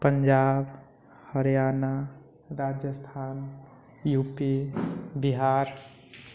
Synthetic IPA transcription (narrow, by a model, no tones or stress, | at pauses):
pəɲd͡ʒab | həɾijana | ɾad͡ʒjəst̪ʰan | jupibiɦaɾ